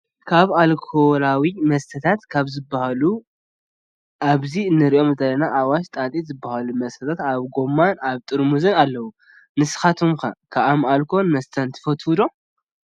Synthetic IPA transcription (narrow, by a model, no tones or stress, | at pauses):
kʰaβalkʰolawimɐst̪ʰɐt̪ʰat̪kʰaβzɨbːahalu | ʔaβziɨnːɨɾiʔo̞mzɐlːɐnaʔawaʃt̪ʼat̪ʼizɨbːahalumɐst̪ʰɐt̪ʰat̪aβɡo̞mːanaβt̪ʼɨɾmuzɐnalːɐwu | nɨsɨ̥xat̪ʰomxɐ̰kʰaamalkʰo̞nmɐst̪ʰɐnt̪ʰɨ̥fɐt̪hud̪o